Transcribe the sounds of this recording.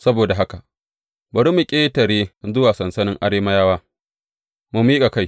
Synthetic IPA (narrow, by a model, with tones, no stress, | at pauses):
sɐ˦boː˨da˨ɦa˦ka˨ | bɐ˨ɽi˦mu˨kʲʼeː˦tɐ˨ɾeː˦zʊ˦waː˨sɐ˨nsɐ˦nɪ˦ŋʔa˦ɽeː˦ma˦jaː˦waː˦ | mu˨mi˦kʼa˨ka˦˨j